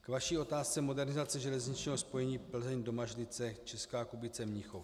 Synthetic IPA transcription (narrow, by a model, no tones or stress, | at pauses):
kvaʃiːʔo̞t̪aːst͡sɛmo̞dɛɾnɪzat͡sɛʒɛlɛzɲɪt͡ʃɲɛːɦospo̞jɛɲiːpl̩zɛɲdomaʒlɪt͡sɛt͡ʃɛskaːkubɪt͡sɛmɲɪxof